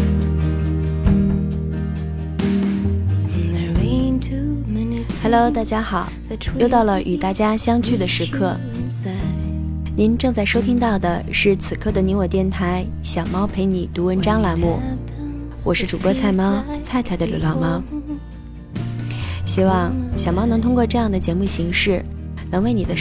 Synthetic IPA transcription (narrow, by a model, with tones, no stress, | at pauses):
xa˧˩lo˧˥ʊt̪a˥˩t͡ɕja˥xɑ˨˩˦ʊ | o˥ʊt̪ɑ˥˩ʊlə˩ʔy˨˩t̪a˥˩t͡ɕja˥ɕjɑ˥ŋt͡ɕʰy˥˩d̪ə˩ʂɻ̩˧˥kʰɤ˥˩ | ni˧˥nʈ͡ʂɤ˥˧ŋt͡sa˥˩ɪʂo˥ʊt̪ʰi˥ŋt̪ɑ˥˩ʊd̪ə˩ʂɻ̩˥˩t͡sʰɹ̩˨˩kʰɤ˥˩d̪ə˩ni˧˥nwɔ˨˩t̪jɛ˥˩nt̪ʰa˧˥ɪ | ɕjɑ˨˩ʊmɑ˥ʊpʰe˧˥ɪni˨˩t̪u˧˥wə˧˥nʈ͡ʂɑ˥ŋla˧˥mu˥˩ | wɔ˨˩ʂɻ̩˥˩ʈ͡ʂu˨˩kɤ˥˧t͡sʰa˥˩ɪmɑ˥ʊt͡sʰa˥˩ɪt͡sʰa˧˥ɪd̪ə˧ly˧˩lɑ˥˩mɑ˥ʊ | ɕi˥wɑ˥˧˩ŋɕjɑ˨˩mɑ˥ʊnɤ˧˥ŋt̪ʰʊ˥ŋkwʈ͡ʂɤ˥˧jɑ˥˩ŋd̪ə˩t͡ɕjɛ˧˥mu˥˩ɕi˧˥ŋʂɻ̩˥˩nɤ˧˥ŋwe˥˩ɪni˨˩d̪ə˦